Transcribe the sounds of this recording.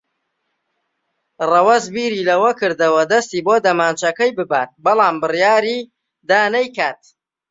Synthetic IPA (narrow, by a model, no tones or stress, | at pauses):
rɐwɐzbiːɾiːlɐwɐkɨɾd̪ɐwɐd̪ɐst̪iːboːd̪ɐmaːnt͡ʃʰɐkɐjbɨbaːt̪̚bɐlˠɑːmbɨrjaːɾiː | d̪aːnɐjkaːt̪̚